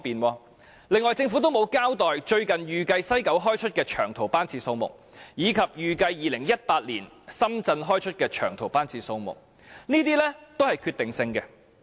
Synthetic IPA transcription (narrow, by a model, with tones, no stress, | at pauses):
piː˨nwɔː˧ | lɪ˨ŋːɔː˨˩jt͡sɪ˧ŋfu˨˥t̪̬o˥wmo˨˧wkaː˥wt̪ɔː˨jt͡ʃɵ˧ɥkɐ˨njyː˨kɐ˧jsɐ˥jkɐ˨˥wɦɔː˥jt͡ʃʰɵ˥t̚kɛː˧t͡ʃʰœː˨˩ŋt̪ʰo˨˩wpaː˥nt͡sʰiː˧so˧wmʊ̰˨˩k̚ | jiː˨˧kʰɐ˨p̚jyː˨kɐ˧jːiː˨˩lɪ˨˩ŋjɐ˥t̚paː˧t̚liː˨˩n | sɐ˥mt͡sɐ˧nɦɔː˥jt͡ʃʰɵ˥t̚kɛː˧t͡ʃʰœː˨˩ŋt̪ʰo˨˩wpaː˥nt͡sʰiː˧so˧wmʊ̰˨˩k̚ | niː˥t̪iː˥lɛː˥t̪o˥whɐ˨jkʰyː˧t̪ɪ˨ŋsɪ˧ŋkɛ˧